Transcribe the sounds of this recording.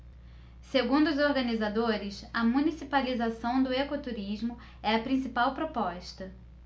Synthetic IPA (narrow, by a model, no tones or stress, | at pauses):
seɡũd̪ʊːzoɾɡɐnizad̪oɾɪsɐmũnisipalizasɐ̃w̃d̪ʊekot̪uɾizmʊ | ɛɐpɾĩsipawpɾopɔʃt̪ɐ